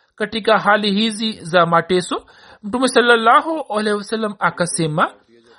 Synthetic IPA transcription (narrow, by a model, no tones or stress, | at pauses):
kɐʈikaɦaːliɦizizamaʈesu | muʈumesɐlːɐlːaːɦoʔɐlewɐsɐlːɐmakɐsemɐ